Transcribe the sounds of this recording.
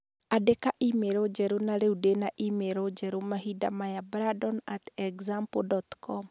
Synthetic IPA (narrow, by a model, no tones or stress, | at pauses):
adekaʔimeɾod͡ʒɛɾonaɾeudenaʔimeɾod͡ʒɛɾomaɦidamajabɾadɔnatɛɡzampodɔt̪kʰɔm